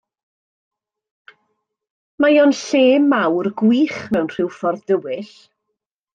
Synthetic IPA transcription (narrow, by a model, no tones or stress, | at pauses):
majoːnɬeːmːawrɡwiːχmɛwnr̥ɪwfɔrððəwɪɬ